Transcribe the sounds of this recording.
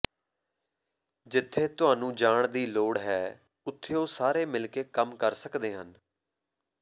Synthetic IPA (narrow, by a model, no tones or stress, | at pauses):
d͡ʒɪt̪ʰːeːt̪ʊɦaːnũːd͡ʒaːɳd̪iːloːɽɦɛː | ʊt̪ʰːeːoːsaːɾeːmɪlkeːkəmkəɾsəkd̪eːɦən